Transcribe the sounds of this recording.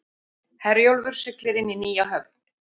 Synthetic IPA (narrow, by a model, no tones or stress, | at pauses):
hɛɾjowlvʏɾ̥sʏklɪɾɪnːiniːjaɦœvt̪n̥